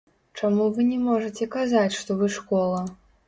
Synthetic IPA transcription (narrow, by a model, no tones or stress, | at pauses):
t͡ʂamuvɨnʲɛmɔʐɐt͡sʲɛkazat͡sʲʂt̪ɔvɨʂkɔlˠɐ